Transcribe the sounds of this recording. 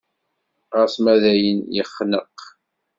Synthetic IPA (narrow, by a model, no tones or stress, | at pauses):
ʁəsmæðæjənjə̰χːnəq